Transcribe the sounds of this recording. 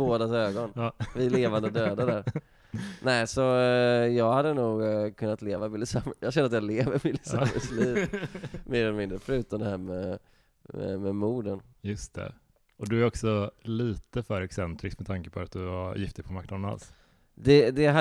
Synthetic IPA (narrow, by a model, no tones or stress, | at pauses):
oːd̪asøːɡɔnvɪleːvand̪əd̪øːd̪ad̪æɾ | nɛɪsɔjɑːɡhad̪ːənuːɡkʰɵnːat̪leːvavɪlːɪsamjɑːʃɛnːəɾat̪jɑleːvəɾvɪlɪsamə̰sliːvmeːɾɔmɪnɾəfɾʉ̟ːt̪and̪əhæːɾmɛ | ɛ̰mɛmuːɖənjɵst̪ʰɛ̰ | ʔɔd̪ɵæɾɔksɔliːt̪əfœːɾɛksɛnt̪ɾɪskmɛt̪ʰaŋkəpʰɔat̪̚d̪ɵvajɪft̪ɪɡpʰɔmaɾknad̪əna̰ls | d̪ɛd̪ɛɦa